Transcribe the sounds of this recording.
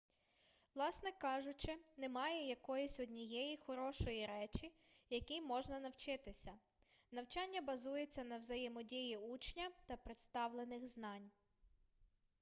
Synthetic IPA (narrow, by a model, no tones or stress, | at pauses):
ʋlˠɑsnɛkɑʒʊt͡ʃɪnɛmɑjɛjɐkɔjisʲɔdʲnʲijɛjixɔɾɔʃɔjiɾɛt͡ʃʲi | jɐkʲimɔʒnɐnɐwt͡ʃɪt̪ɪsʲɐ | nɐwt͡ʃɑnʲːɐbɐzujet͡sʲːɐnɐwzɐjɪmɔdʲijiut͡ʃnʲɐt̪ɐpɾɪt̪st̪ɑʋlˠenɪɣznɑnʲ